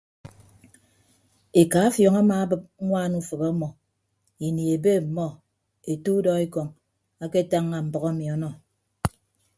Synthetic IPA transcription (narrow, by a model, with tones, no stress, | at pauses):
e˨ka˨˦a˦fjɔ˨ŋa˦maː˨a˦bɨ˦p̚ŋʷaː˦˨nu˦fɨ˨bɔ˦mɔ˨ | i˨ni˨e˨be˦˨m̩˨mɔ˦ | e˨tu˦dɔ˦e˦kɔ˨ŋ | a˦ke˦ta˦ŋːa˨m̩˨bɔ˨ɣa˦mi˨ɔ˦nɔ˦